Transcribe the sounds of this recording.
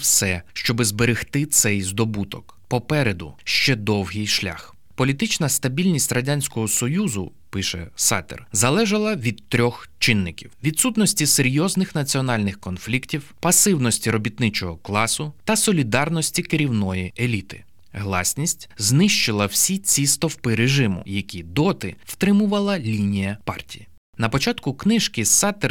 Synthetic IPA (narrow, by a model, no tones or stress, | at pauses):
wsɛʃt͡ʃɔbɪzbeɾɪxt̪ɪt̪sɛjzd̪ɔbut̪ɔk | pɔpɛɾed̪ʊ̰ʃt͡ʃɛd̪ɔwɦʲijʃlʲa̰x | pɔlʲit̪ɪt͡ʃnɐst̪ɐbʲilʲnʲisʲtʲrɐdʲanʲsʲkɔɦɔsɔjuzʊ̰ | pɪʃɛ̰sɑ̰t̪ɛ̰rzɐlˠɛʒɐlˠɐʋʲid̪t̪ːɾʲɔxt͡ʃɪnːɪkʲiwʋʲid̪sut̪nɔsʲtʲiseɾʲjɔznɪxnɐt͡sʲiɔnɑlʲnɪxkɔnflʲiktʲiwpɐsɪwnɔsʲtʲiɾɔbʲit̪̚nɪt͡ʃɔɦɔklˠɑsʊt̪ɐsɔlʲid̪ɑrnɔsʲtʲikɪɾʲiwnɔjielʲit̪ɪ̥̰ | ɦlˠɑ̰sʲnʲisʲtʲznɪʃt͡ʃɪlˠɐwsʲit͡sʲist̪ɔwpɪɾeʒɪmʊ̰jɐkʲid̪ɔt̪ɪw̥t̪ɾɪmʊʋɐlˠɐlʲinʲijɐpɑ̰rtʲiji | nɐpɔt͡ʃɑt̪kʊknɪʃkɪsɑt̪ɛr